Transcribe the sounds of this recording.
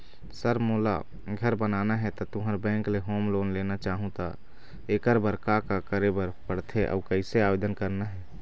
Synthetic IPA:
səɾmoːla̰ | ɡʱəɾbənaːnaɦɛt̪ɔt̪ʊɦəɾbɛ̃ːŋkleɦoːmloːnleːnat͡ʃaːɦũt̪a | eːkəɾbəɾkakakəɾebəɾpəɽt̪ʰeʔɔ̰ːkəɪseaːbeːd̪ənkəɾnaɦɛː

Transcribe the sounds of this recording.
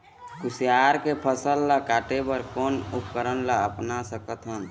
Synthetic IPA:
kʊsjaːɾkepʰəsəlːakaːʈebəɾkɔːnʊp̚kəɾənlaəpnasəkət̪ɦən

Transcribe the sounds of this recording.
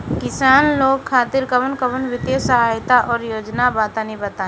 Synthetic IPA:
kɪsaːnloːɡkʰːaːt̪ɪɾkəbənkəbənʋɪt̪esəɦaːjt̪aʔɔːɾjoːd͡ʒnabaːt̪anibət̪a

